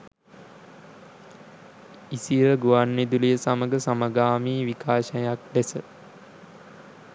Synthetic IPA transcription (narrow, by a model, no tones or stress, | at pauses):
isiəɡuʋanːed̪uləjəsaməɡəsaməɡaːmiːʋikʰaːʃəjak̚d̪esə